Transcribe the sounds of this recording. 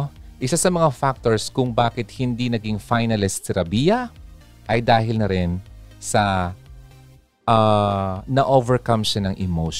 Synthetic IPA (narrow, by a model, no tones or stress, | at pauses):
ʔɪsasɐmɐŋafak̚t̪oɹskʊŋbaːkɪt̪̚hɪnd̪inɐɡɪŋfajnɐlɪssɛɾɐbijɐ | ʔɐjd̪aːɦɪlnɐɾɪnsɐ | ʔa | nɐʔovɛɹkɐmʃanɐŋʔɪmowʃ